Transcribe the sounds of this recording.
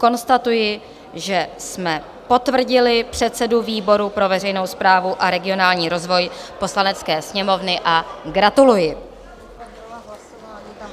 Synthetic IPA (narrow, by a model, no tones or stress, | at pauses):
ko̞nst̪at̪ujɪ | ʒɛsmɛ | po̞t̪vr̩ɟɪlɪpr̝̥ɛt̪sɛduviːbo̞ɾupɾo̞vɛrɛjno̞wspɾaːvuʔaɾɛɡɪo̞naːlɲiːɾo̞zvo̞jpo̞slanɛt͡skɛːsɲɛmo̞vnɪʔaɡɾat̪ulujɪ